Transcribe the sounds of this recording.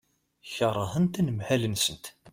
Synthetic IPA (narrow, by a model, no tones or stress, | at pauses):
çəɾˤːəhənt̪ænəmhælənsənt̪